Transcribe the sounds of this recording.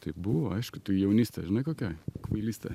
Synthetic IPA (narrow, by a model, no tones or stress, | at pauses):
t̪ɐɪpbʊʋoːɐɪʃkʊt̪ʊjɛʊnʲiːst̪ɛʒʲɪnɐɪkoːkʲɛkʋɐɪlʲiːst̪ɐ